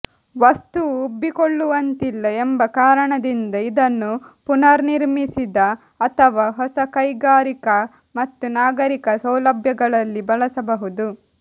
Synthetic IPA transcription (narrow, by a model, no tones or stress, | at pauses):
ʋɐst̪uːbːikoɭːuʋɐnt̪ilːɐembɐkaːɾɐɳɐd̪ind̪ɐid̪ɐnːupunɐɾniɾmisid̪ɐː | t̪ʰɐʋaːɦɔsɐkɐjɡaːɾikɐ | mɐt̪ːunaːɡɐɾikɐsɐwlɐbʱjɐɡɐɭɐlːibɐlɐsɐbɐɦud̪u